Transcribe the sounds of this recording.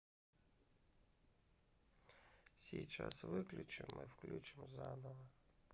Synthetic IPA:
sʲijt͡ʃɑsʋɪklʲut͡ʃɪmɪwklʲut͡ʃɪmzɑnɔʋɐ

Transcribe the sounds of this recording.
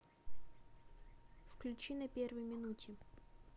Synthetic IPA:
fklʲʉt͡ɕinɐpʲervəjmʲɪnutʲɪ

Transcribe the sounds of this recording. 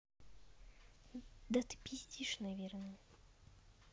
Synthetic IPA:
d̪ɐt̪ɨ̥pʲisʲt̪ʲiʂnɐvʲernəj

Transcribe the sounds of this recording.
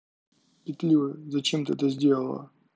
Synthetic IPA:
pʲɪt̪lʲivɨzɐt͡ɕemt̪ɨɛt̪əzʲdʲe̞lˠəlˠə̰

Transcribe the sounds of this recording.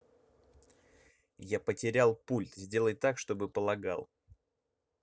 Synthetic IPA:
japətʲɪɾʲalˠpulʲt̪zʲdʲe̞lˠəjt̪akʂt̪o̞bɨpəlˠɐɡa̰lˠ

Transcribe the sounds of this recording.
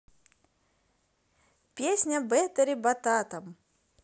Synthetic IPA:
pʲesʲnʲɐbɛt̪ɐɾʲibɐt̪at̪ɐm

